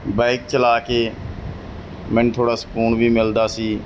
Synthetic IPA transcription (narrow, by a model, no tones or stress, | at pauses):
baɪk̚t͡ʃəlaːkeː | mɛ̃ːnt̪ʰoːɽaːsə̥kuːnʋiːmɪld̪aːsiː